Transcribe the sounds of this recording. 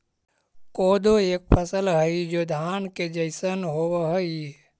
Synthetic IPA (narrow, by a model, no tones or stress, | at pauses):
koːd̪ʱoeːk̚pʰəsəlɦəid͡ʒoːd̪ʱaːnked͡ʒəɪsənɦoʋəɦəi